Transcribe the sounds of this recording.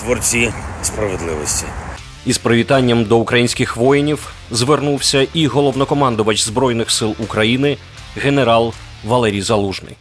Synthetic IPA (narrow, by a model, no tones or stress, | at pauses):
t̪ʋɔrt͡sʲispɾɐʋed̪lˠɪʋɔsʲtʲi | ispɾɔʋʲit̪ɑnʲːɐmd̪ɔukɾɐjinʲsʲkʲɪxʋɔjɪnʲiw | zʋernuwsʲɐʔiɦɔlˠɔʋnɔkɔmɑnd̪ʊʋɐt͡ʃzbɾɔjnɪxsɪlˠukɾɐjinɪ | ɣeneɾɑlˠ | ʋɐlˠɛɾʲijzɐlˠuʒnɪ̰j